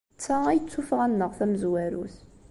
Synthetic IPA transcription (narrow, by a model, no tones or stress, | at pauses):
t͡sːæijət͡sːufʁænːəʁθæməzwæɾṵθ